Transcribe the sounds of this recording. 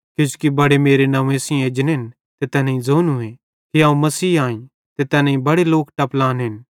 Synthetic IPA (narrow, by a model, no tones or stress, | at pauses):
kjõːt͡ʃu̥kibɐɽemeːɾenɐʋẽsĩeːd͡ʒnɦɪn | t̪et̪ɛːnãĩd͡zoːnɦuẽ | kiãːũmɐsiːaːĩ | t̪et̪ɛːnaːĩbɐɽeloːkʈɐplãːnɦɪn